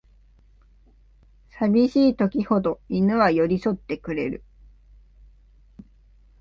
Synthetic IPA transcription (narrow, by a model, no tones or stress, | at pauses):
sabʲiɕiːt̪o̞kʲiho̞d̪o̞inɯ̟βajo̞ɾʲiso̞t̪ːe̞kɯ̟ɾe̞ɾɯ̟̰